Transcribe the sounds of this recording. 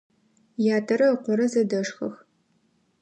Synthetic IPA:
jaːtʰɐɾɐqʷɔɾɐzɐdɐʂxɐ̰x

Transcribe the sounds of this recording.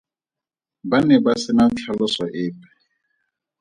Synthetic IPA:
banɛbasɪnat͡ɬʰalɔsaʔɪːpʼɛ̥

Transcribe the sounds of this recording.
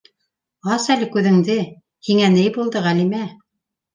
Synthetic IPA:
ɑsælɘkʉðɘ̆ŋd̪ɘ | hiŋænɘjbulˠd̪ɤʁælimæ

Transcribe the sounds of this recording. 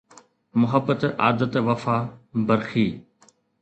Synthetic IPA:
mʊɦəbːət̪aːd̪ət̪ʋɐfaːbɐɾxiː

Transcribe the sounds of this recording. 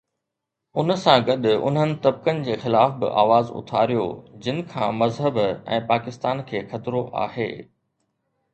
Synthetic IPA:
ʊnə̆sãɡɐɗʊʊ̰nɦənɪ̆t̪ɐb̚kənɪ̆d͡ʑeːxɪlaːfbɪ̰ʔa̰ːʋaːzʊ̰t̪ʰaːɾijo̰d͡ʑɪnɪ̆kʰã̰ːmɐzɦəbɛ̰̃ːpaːkɪst̪aːnkʰeːxɐt̪ɪɾoʔa̰ːhḛː

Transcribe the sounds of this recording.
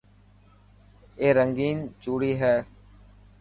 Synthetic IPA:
eːɾəŋɡiːnt͡ʃuːɽiːɦɛː

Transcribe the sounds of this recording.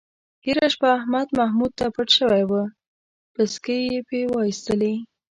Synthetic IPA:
heɾaʃpaːhmad̪mahmud̪̚t̪apəʈʃəwajwə | pəskəjepewɑist̪əle

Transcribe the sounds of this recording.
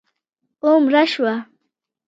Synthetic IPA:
ʊmɾaʃwa

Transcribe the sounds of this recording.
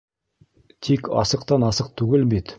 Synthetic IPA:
t̪ʰekʲʰɑ̰səqt̪ɑnɑsəq̚t̪ʰʉɡʲɪlbet̪

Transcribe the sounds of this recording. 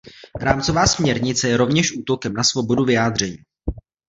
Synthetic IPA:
ɾaːmt͡sovaːsmɲɛɾɲɪt͡sɛjɛɾo̞vɲɛʃʔuːt̪o̞kɛmnasvo̞bo̞duvɪjaːd̪r̝ɛɲiː

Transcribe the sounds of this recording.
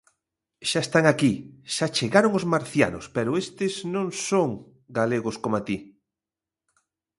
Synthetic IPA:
ʃaest̪aŋakiʃat͡ʃeɣaɾoŋozmaɾθja̰nʊ̰spɛɾʊest̪ɪznõŋsoŋ | ɡaleɣʊskomat̪i

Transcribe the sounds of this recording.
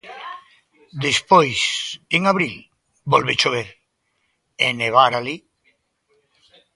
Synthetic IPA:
d̪espojseŋaβɾil | bolβet͡ʃoβeɾ | eneβ̞aɾali

